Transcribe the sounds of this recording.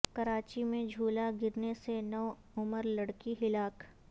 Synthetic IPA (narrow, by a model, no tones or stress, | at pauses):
kɐɾaːt͡ʃimẽd͡ʒʱuːlaɡɪɾnesenɔː | ʊməɾlɐɽkiɦɪlaːk